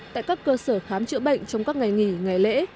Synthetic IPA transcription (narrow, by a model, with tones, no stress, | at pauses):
ta̰ː˧˨jkaː˦˥kːəː˧səː˧˩xaː˨˦mt͡ɕɨ̰˧˥ɓə̰˧˨jŋ̟t͡ɕɔ˧wŋ͡mkaː˦˥k̚ŋa˨˩jŋi˧˩ŋa˨˩jlḛ˧˥